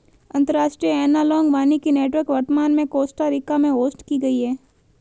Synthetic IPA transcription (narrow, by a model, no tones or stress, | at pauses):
ɐ̃nt̪əɾaːʃʈɾijəɛːnalɔːŋɡʋaːnikineːʈʋəɾkʋɐɾt̪əmaːnmẽkoːsʈaɾɪkamẽɦoːsʈkiɡɐiɦɛː